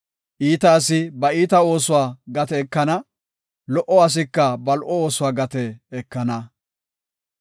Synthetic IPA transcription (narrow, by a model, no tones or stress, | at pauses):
ʔiːt̪ɐːsɪbɐiːt̪ɐo̞ːsʊwaːɡɐt̪ɛːkːɐnɐ | lɔʔɔɐs̬ɪkːɐbɐlʔɔoːsʊwaːɡɐt̪ɛɛkːɐnɐ